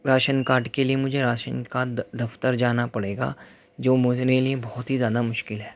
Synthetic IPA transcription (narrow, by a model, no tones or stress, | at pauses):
ɾaːʃənkaːʈkeliemʊd͡ʒʱeɾaːʃənkaːd̪ɐft̪əɾd͡ʒaːnapɐɽeːɡa̰ː | d͡ʒoːmʊneliebɔːʊt̪ɦizjaːd̪amʊʃkɪlɦɛː